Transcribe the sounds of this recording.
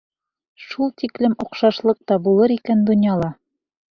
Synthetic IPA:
ʃulˠt̪iklɘmŏqʃɑʃlˠɤq̚t̪ɑbulˠɤɾikænd̪ŏnjɑlˠɑ

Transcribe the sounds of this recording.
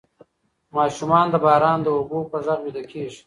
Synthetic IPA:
mɑːʃumɑːnd̪əbɑːɾɑːnd̪əʊbuːpəzaɣjud̪akʰeːʐi

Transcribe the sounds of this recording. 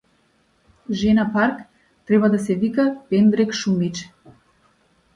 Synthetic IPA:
ʒɛnapaɾk | t̪ɾɛbad̪asɛvikapɛnd̪ɾɛkʃumit͡ʃ

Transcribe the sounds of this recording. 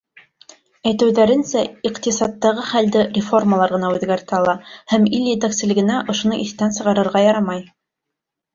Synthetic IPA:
æjt̪ɘ̆wðæɾɘ̆nsæiqt̪isɑt̪ːɑʁɤχæld̪ɘrʲɪfo̞rmalˠɑɾʁɤ̆nɑʉðɡæɾt̪æɑlˠɑhæmilʲːed̪aksɘ̆lɘ̆ɡɘ̆næʔŏʃŏnɤʔiθt̪ænsɤ̆ʁɑɾɤ̆ɾʁɑjɑɾɑmɑj

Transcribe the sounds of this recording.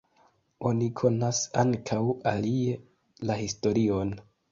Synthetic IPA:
o̞nikʰo̞nasaŋkʰawalie | lahisto̞ɾio̞n

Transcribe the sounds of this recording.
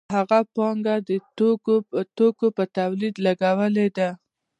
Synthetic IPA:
ɦaɣapɑŋɡad̪ət̪oot̪okopət̪awlid̪laɡawəled̪a

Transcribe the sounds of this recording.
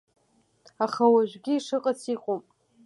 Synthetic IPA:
aχawaʒʷᶣɡʲɪːʂɨqʼat͡sʰiqʼopʼ

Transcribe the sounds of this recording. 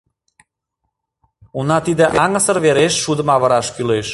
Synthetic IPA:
unɑt̪id̪ĕʔɑŋə̆səɾβeɾeʃːud̪əmɑβə̆ɾɑʃkyleʃ

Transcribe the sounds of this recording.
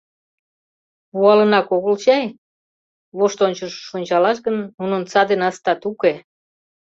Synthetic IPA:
vuɑlənɑkoɣolt͡ɕɑj | βoʃt̪onʲt͡ɕəʃːonʲt͡ɕɑlɑʃ̬ɣənunont͡sɑd̪enɑst̪ɑt̪uke

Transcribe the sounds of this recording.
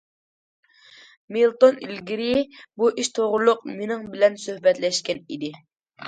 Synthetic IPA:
milˠt̪onilɡʲiɾibuʔiʃt̪ʰoʁʊlˠːʊq̚menɪŋbɪlɛnsøhbɛt̪lɛʃkʲɛnḭd̪ɪ

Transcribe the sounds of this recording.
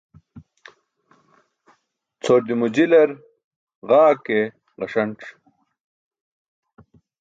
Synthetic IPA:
t͡sʰoːɾd̪imud͡ʑilɐɾ | ʁaːke | ʁɐʂɐɳʈ͡ʂ

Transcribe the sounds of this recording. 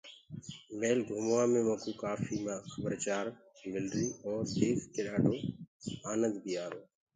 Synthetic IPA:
meːlɡʱoːmːaːmẽːmõːkuːkaːfiːmãːxəbəɾt͡ʃaːɾ | mɪlɾiːʔɔːɾseːfkeːɗaːɖʱoːaːnə̃nd̪bʱiːaːɾoː

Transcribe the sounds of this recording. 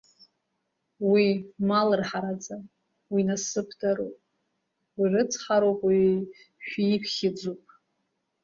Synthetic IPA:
wimalɨrħaɾad͡za | winasɨpʰdaɾopʼ | wirɨt͡sʰħaɾopʼwi | ʃᶣikʰχʲɪd͡zupʼ

